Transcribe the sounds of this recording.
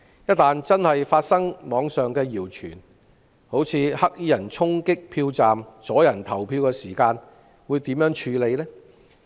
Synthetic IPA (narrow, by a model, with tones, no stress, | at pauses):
jɐ˥t̚t̪aː˨nt͡sɐ˥nhɐ˨jfaː˧t̚sɐ˥ŋmɔː˨˧ŋsœː˨ŋkɛː˧jiː˨˩wt͡ʃʰyː˨˩n | ho˨˥wt͡sʰiː˨˧hɐ˥k̚ji˥jɐ˨˩nt͡sʰʊ˥ŋkɪ˥k̚pʰiː˧wt͡saː˨mt͡sɔː˨˥jɐ˨˩nt̪ʰɐ˨˩wpʰiː˧wkɛː˧siː˨˩kaː˧n | wuː˨˧jt̪iː˨˥mjœː˨˥ŋt͡ʃʰyː˨˧le˨˧jlɛː˥